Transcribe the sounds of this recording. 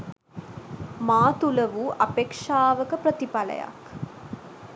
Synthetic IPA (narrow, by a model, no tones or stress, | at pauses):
maːt̪ulɐʋuʔɐpeːkʂaːʋəkəpɾɐt̪ipɐlɐ̰ja̰k